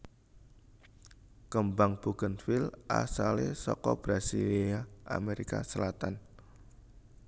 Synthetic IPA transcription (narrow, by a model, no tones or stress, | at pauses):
kəmbaŋb̥uɡ̥ənfilʔa̰salesɔkɔb̥ɾasiliaʔa̰meɾikasəlat̪an